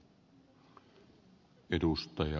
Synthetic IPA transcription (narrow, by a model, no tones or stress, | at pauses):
edust̪ɑjɑ